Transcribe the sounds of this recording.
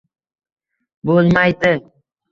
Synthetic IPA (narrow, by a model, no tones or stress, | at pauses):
bolˠmajd̪ɪ